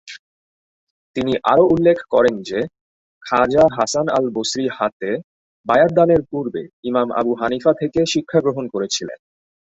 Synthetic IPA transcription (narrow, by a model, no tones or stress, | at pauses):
t̪iniʔaɾoulːekʰkɔɾend͡ʑe | kʰad͡ʑaɦasana̰lbosɾihat̪e | bajaɾ̚d̪aneɾpuɾbeimama̰buɦanifat̪ʰekeʃikʰːaɡɾoɦonkoɾet͡ɕʰilḛn